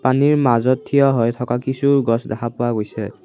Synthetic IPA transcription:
paniɹmazɔtʰːijɔɦɔjtʰɔkakisuɡɔsdɛkʰapʊaɡojsɛ

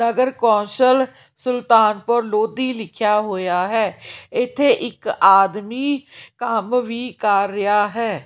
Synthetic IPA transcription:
nəɡəɾkɔ̃ːnsəl | sʊlt̪aːnpəɾloːd̪iːlɪkʰjaːɦoːjaːɦɛːɪt̪ʰːeːʔɪkaːd̪miːkəmʋiːkəɾːɪjaːɦɛː

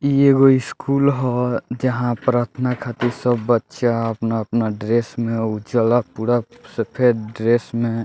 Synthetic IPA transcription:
ieɡoɪskuːlɦɔd͡ʒəɦãpɾaːɾt̪ʰənakʰat̪iɾsəbːətːʃaəpnaəpnaɖɾesmẽud͡ʒəlapuɾasepʰeɾɖɾeːsmẽ

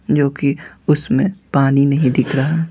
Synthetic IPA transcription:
d͡ʒoːkiʊsmẽpaːninɐɦĩd̪ɪkʰɾaɦaː

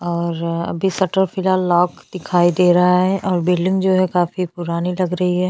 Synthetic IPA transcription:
ɔːɾɐ̰bʱisɐʈəɾfɪlɦaːlːɔːkd̪̥ɪkʰaːid̪eːɾɐɦaɦɛʔɔːɾbɪlɪ̃ŋɡd͡ʒoːɦɛkaːfipʊɾaːnilɐɡɾɐɦiɦɛː

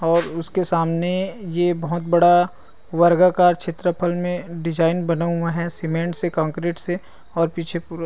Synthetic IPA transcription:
ɔːɾʊskesaːmnejebɐɦʊt̪̚bɐɽa | ʋəɾɡakaːɾt͡ʃʰɪt̪ɾəpʰəlmẽɖɪd͡ʒaːɪnbɐnaɦaɦɛsɪmẽːɳʈsekãːŋkɾeːʈse | ɔːɾpiːt͡ʃʰepuɾ

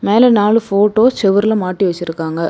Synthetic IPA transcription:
meːlɛnaːɭɯfoːʈːoːsɛʋɐɾɪlɐmaːʈːiʋɐt͡ʃːɪɾɯkːaːŋɡɐ

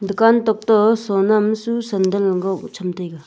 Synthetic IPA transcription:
nd̪əkant̪oχ̚t̪əsonamsusənd̪əlŋɡot͡ɕʰəmt̪ekə

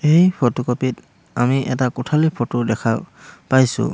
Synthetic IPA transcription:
ejpʰɔtukopit | amiʔɛtakʊtʰalipʰɔtʊdɛkʰapajsʊ̰

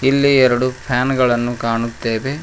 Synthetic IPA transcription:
ilːiɛɾɐɽupʰaːnɡɐɭɐnːukaːɳut̪ːeːʋe̞

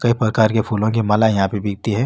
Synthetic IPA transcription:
kɐipɾɐkaːɾkepʰuːlõk̬imɐlajɐɦãpebɪːɡ̚t̪iɦɛ̃ː

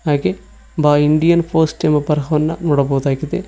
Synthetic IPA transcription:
ɦaːɡe | baːiɳɖijɐnpʰoːsʈɐmːɐbɐɾɐɦɐʋɐnːɐnuːɽɐbɐwd̪aːɡid̪e

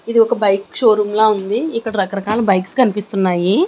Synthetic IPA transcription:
id̪iɔkɐbɐjkʃoːɾumloːund̪iːkːɐɽɐɾɐkɐɾɐkaːlɐbɐjkskɐnipist̪unːaːji

